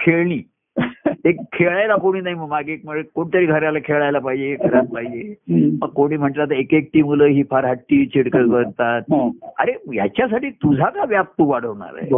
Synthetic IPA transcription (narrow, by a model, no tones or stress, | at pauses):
kʰeɭɳiː | ekkʰːeɭɭajlakoɽ̃iːnaɦiməɡmaɡek̚məɡekoɳ̃t̪aɾiːɡʱəɾjalakʰeɭajlapaɦid͡ʑekʰəɾapaɦid͡ʑeməkkoɽ̃iːm̤əɳʈt̪laat̪̬əekek̚ʈiːmuləːɦiːfʰaɾɦaʈːiːt͡ɕiɽkəɾkəɾt̪at̪̚a̰ɾeja̰t͡ɕjas̬aʈiːt̪ud͡zʱakaʋjap̚t̪uʋaɽ̤əʋɳa̰ɾa̰e